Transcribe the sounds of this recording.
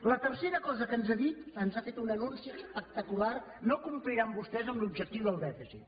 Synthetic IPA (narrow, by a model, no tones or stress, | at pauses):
lət̪ərseɾəkɔzəkənzaðit̪ənzafet̪unənunsiəspək̚t̪əkular | nokumpliɾambust̪ɛzəmlubʒək̚t̪iwðəlˠd̪ɛfizḭt̪